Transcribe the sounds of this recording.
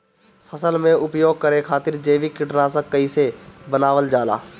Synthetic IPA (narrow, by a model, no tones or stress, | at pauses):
fʰəsəlmẽʔʊpjoːɡ̚kəɾẽkʰaːt̪ɪɾd͡ʒeːʋikɪʈnãsə̃kəisebənaːʋəld͡ʒaːla̰ː